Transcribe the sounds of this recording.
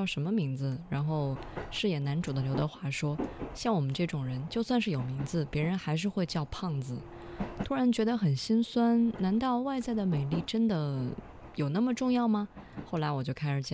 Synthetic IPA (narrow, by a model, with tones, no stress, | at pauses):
ʊʂə˧˥nmə˧mi˧˥ŋd͡zɹ̩˧ɻa˧˥nxo˥˧ʊʂɻ̩˥˩jɛ˨˩na˧˥nʈ͡ʂu˨˩d̪ə˦ljo˧˥ʊd̪ə˧xwa˥˩ʂwɔ˥ɕjɑ˥˩ŋwɔ˨˩mə˦nʈ͡ʂɤ˥˩ʈ͡ʂʊ˨˩ŋɻə˧˥nt͡ɕjo˥˧ʊswa˥˧nʂɻ̩˥˩jo˨˩mi˧˥ŋd͡zɹ̩˧pjɛ˧˥ɻə˧˥nxa˧˥ɪʂ̬ɻ̩˥˧xwe˥˧ɪt͡ɕjɑ˥˧ʊpʰɑ˥˩ŋd͡zɹ̩˩ | t̪ʰu˥ɻa˧˥nt͡ɕɥɛ˧˥d̪ə˧xə˨˩nɕi˥nswa˥nna˧˥nt̪ɑ˥˧ʊwa˥˧ɪt͡sa˥˩ɪd̪ə˩me˨˩ɪli˥˩ʈ͡ʂə˥nd̪ə˨ | jo˨˩ʊna˥˩mə˩ʈ͡ʂʊ˥˧ŋjɑ˥˩ʊmɐ˩xo˥˩ʊla˧˥ɪwɔ˨˩t͡ɕjo˥˧ʊkʰa˥ɪʂɻ̩˨˩t͡ɕj